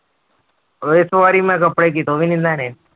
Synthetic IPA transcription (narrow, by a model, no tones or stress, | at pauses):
esʋaːɾiːmẽːkəpɽeːk̬iːt̪oːʋĩːnĩːnd̪aːneː